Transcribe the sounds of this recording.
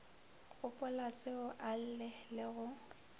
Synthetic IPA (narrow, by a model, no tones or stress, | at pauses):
ɣʊpʼʊlasɪʊʔal̩lɪlɪɣʊ